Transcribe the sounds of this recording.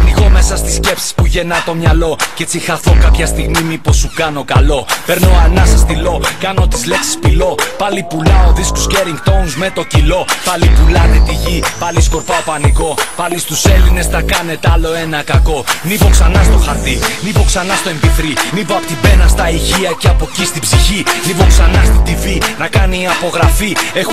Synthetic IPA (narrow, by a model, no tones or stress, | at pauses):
niɣo̞mesɐst̪i̥sce̞psi̥spuʝe̞nɐt̪o̞mɲɐlo̞cet͡sixɐθo̞kɐpçɐst̪iɣmimipo̞sːukɐno̞kɐlo̞pe̞ɾno̞ɐnɐsɐst̪ilo̞kɐno̞t̪izleksi̥spilo̞pɐlipulɐo̞ðisko̥sceɾiŋɡt̪ownzme̞t̪o̞cilo̞pɐlipulɐnet̪iʝipɐlisko̞ɾpɐo̞pɐniko̞pɐlist̪use̞line̞snɐkɐne̞t̪eɐlo̞e̞nɐkɐko̞nipo̞ksɐnɐst̪o̞xɐɾt̪inipo̞ksɐnɐst̪o̞e̞mpiθɾinipoɐpot̪ibe̞nɐst̪ɐiçiɐceɐpo̞cist̪ibziçinipo̞ksɐnɐst̪it̪ivinɐkɐniːɐpo̞ɣɾɐfie